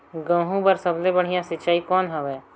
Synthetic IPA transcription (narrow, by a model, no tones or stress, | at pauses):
ɡə̃ːɦũbəɾsəblebəɽ̤ijãsɪtːt͡ʃaːikɔːnɦɐʋɛː